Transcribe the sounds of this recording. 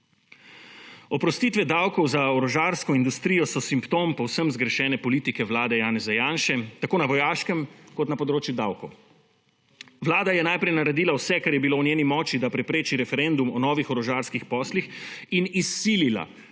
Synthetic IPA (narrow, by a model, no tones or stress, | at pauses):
ɔpɾɔst̪iːt̪ʋɛd̪awkɔwzaɔɾɔʒaɾskɔind̪ust̪ɾijɔsɔsimpt̪ompɔwsəmzɡɾɛʃɛːnɛpɔliːt̪ikɛʋlaːd̪ɛjaːnɛzajaːnʃɛt̪akoːnaʋɔjaːʃkɛmkɔt̪napɔd̪ɾoːt͡ʃjud̪awkɔw | ʋlaːd̪ajɛnajpɾɛjnaɾɛd̪iːlawsɛkaɾjɛbiloːwnjeːnimɔːt͡ʃid̪apɾɛpɾeːt͡ʃiɾɛfɛɾɛnd̪umɔnɔːʋixɔɾɔʒaɾskixpɔːslixinisːiːlila̰